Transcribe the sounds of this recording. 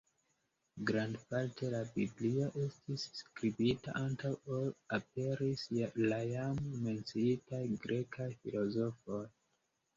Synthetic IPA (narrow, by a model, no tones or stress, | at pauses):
ɡɾandpaɾtʰelabiblioʔe̞stisːkɾibita̰ʔantʰawolap̚eɾisjalajamment͡siitajɡɾekʰafḭlozofoj